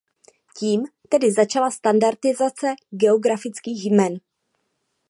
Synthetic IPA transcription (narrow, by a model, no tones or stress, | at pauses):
ciːmt̪ɛdɪzat͡ʃalast̪andaɾt̪ɪzat͡sɛɡɛoɡɾafɪt͡skiːxjmɛn